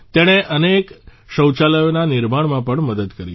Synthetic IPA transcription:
t̪eɽ̃eʔənekʃəwt͡ʃaləjonanɪɾmaɳmãpəɳməd̪əd̪kəɾji

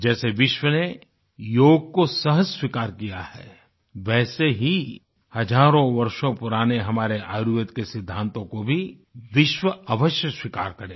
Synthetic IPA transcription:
d͡ʒɛːseʋɪʃwəne | joːɡ̚kosɐɦəzswikaːɾkijahɛː | ʋɛːseɦi | hɐd͡ʒaːɾõʋɐɾʃõpʊɾaːneɦɐmaːɾeʔaːjujət̪kesɪd̪ʱːãːnt̪õkobʱi | ʋɪʃwəəʋəʃjəswikaːɾkɐɾẽː

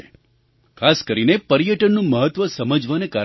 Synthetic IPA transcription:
kʰaskəɾinepəɾijəʈənːũməɦət̪ʋəsəməd͡ʒʋaneka

